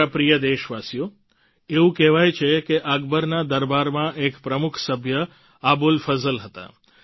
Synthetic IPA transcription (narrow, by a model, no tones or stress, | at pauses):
apɾijəd̪eʃʋasijo | eũkɛʋajt͡ʃʰekeʔaɡbəɾnad̪əɾbaɾmãʔekpɾəmukʰsəbʱjə | abulfəzəlɦət̪a̰